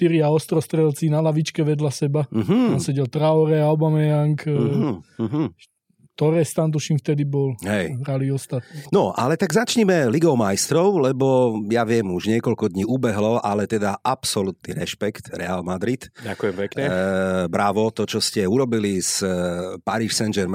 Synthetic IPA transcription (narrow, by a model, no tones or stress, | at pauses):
t̪iɾiaɔst̪ɾɔst̪ɾɛlt͡sinalaʋit͡ʃkɛʋɛd̪lasɛbaɦt̪ansɛɟɛlt̪ɾaɔɾɛaɔbamɛjaŋk | ɦ | t̪ɔɾɛːst̪ant̪̬uʃimft̪ɛd̪ibɔlɦɛjɦɾaliɔst̪at̪̚ninɔʔa̰lɛt̪aɡzat͡ʃɲimɛliɡɔʊmajst̪ɾɔʊlɛbɔjaʋɪɛmuʒɲɪɛkɔʎkɔd̪ɲiːubɛɦlɔʔalɛt̪ɛd̪aʔapsɔlut̪nḭɾɛ̰ʃpɛkt̪ɾɛalmad̪ɾit̪akujɛmpɛkɲɛbɾaʋɔt̪ɔt͡ʃɔscɛuɾɔbilispaɾiːʃsɛnd͡ʒɛɾm